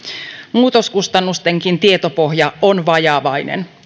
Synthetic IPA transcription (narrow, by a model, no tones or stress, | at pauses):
muːt̪o̞skust̪ɑnːust̪e̞ŋkint̪iet̪o̞po̞ɦjɑonʋɑjɑʋɑjnḛn